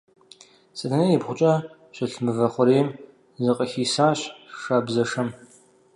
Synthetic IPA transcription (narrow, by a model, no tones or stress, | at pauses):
sɐtʰɐnɐjɪbχʷʊt͡ʃʼɐ | ɕʷɐɬmɨvɐχʷʊɾeːm | zɨqʼɐxiːsaːɕʂabzɐʂɐm